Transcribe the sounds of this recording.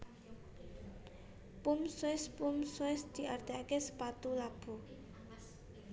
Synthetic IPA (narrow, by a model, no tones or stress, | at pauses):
pumswɪspumswɪsd̪̥i̤ʔard̪̥eakesə̥pat̪ulab̥ṳ